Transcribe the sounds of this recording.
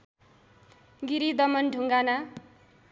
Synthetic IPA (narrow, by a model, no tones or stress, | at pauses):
ɡiɾid̪ʌmʌnɖʱuŋɡana